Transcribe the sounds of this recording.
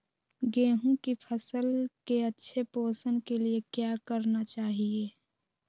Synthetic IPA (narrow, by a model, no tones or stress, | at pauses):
ɡeːɦũkipʰəsəlkeɐtːʃʰepoːsənkeliekjakəɾnat͡ʃaːɦieː